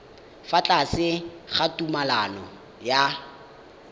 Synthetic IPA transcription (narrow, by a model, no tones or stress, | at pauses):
fat͡ɬʼasɪχatʼumalanɔ | ja